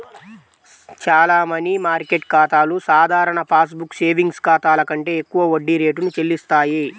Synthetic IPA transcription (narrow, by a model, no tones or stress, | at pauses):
t͡ʃaːlaːmɐnimaːɾke̞ʈ̚kaːt̪aːlusaːd̪ʱaːɾɐɳɐpʰaːs̬bukːse̞ːʋiŋɡskaːt̪aːlɐkɐɳʈe̞ːekːuʋɐoɖːiɾe̞ːʈ̬unut͡ʃelːist̪aːji